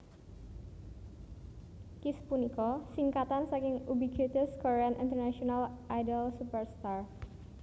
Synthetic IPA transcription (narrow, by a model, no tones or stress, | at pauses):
kispunikɔsiŋkat̪ansakɪŋubikit̪əskɔɾeanḭnt̪ərnaʃionalʔajdəlsupərst̪ar